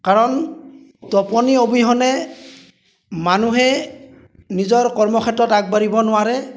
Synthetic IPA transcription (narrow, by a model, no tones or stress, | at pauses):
kaɹɔn | tɔpɔniobiɦɔnɛ | manuɦɛ | nizɔɹkɔɹmɔxʰɛtɔtak̚baɹibɔnʊwaɹɛ